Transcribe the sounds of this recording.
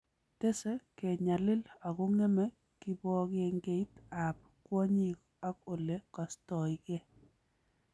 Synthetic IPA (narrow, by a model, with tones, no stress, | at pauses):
te˦se˦ke˨ɲa˨lɪ˦la˨ɡʊ˦ŋɛ˦mɛ˦ | kɪ˦bɔ˦ɡe˨ŋɡe˦ita˨p̚ | kwɔ˦ɲi˦k | a˦ko˨le˨kɔ˨stɔ˨jɡe˦